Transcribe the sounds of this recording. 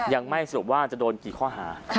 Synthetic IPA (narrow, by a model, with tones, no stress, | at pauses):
ja˧ŋma˥˩jsa˧ɾu˨˩˦p̚waː˥˩t͡ɕa˨˩doː˧nkiː˨˩kʰɔː˥˩ɦaː˩˦